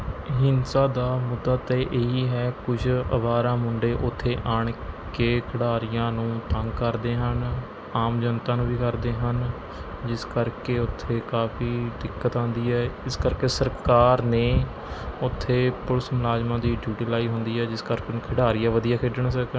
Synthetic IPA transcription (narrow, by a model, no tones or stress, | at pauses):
ɦɪnsaːd̪aːmʊd̪ːaːt̪eːʔeːɦiːɦɛːkʊd͡ʒə̰ʋaːɾãːmʊɳɖeːʔʊt̪ʰːeːʔaːɳkeːkʰɪɽaːɾɪjãːnũːt̪əŋɡkəɾd̪eːɦən | aːmd͡ʒənt̪ãːnũːʋiːkəɾd̪eːɦən | d͡ʒɪskəɾkeːʊt̪ʰːeːkaːfiːd̪ɪkːət̪ãːnd̪iːɦɛːɪskəɾkeːsəɾkaːɾneː | ʊt̪ʰːeːpʊɾsmlaːd͡ʒmãːd̪iːɖjuːʈiːlaːiːɦʊnd̪iːɛːd͡ʒɪskəɾkenːkʰəɽaːɾɪjãːʋəd̪ijaːkʰeːɖəɳsəkː